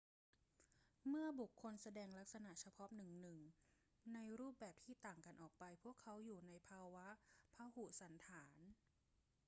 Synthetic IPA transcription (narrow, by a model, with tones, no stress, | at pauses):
mɯ˥˩ɐbu˨˩kʰːo˧nsa˧dɛː˧ŋla˦˥k̚sa˧na˨˩ʔt͡ɕʰa˧pʰɔ˦˥nɯ˨˩ŋnɯ˨˩ŋ | na˧jɾuː˥˩p̚bɛː˨˩p̚t̪ʰiː˥˩t̪aː˨˩ŋka˧nʔɔː˨˩k̚pa˧jpʰu˥˩əkʰːa˦˥wjuː˨˩na˧jpʰaː˧wa˦˥ʔpʰaː˧hu˨˩sa˩˦nt̪ʰaː˩˦n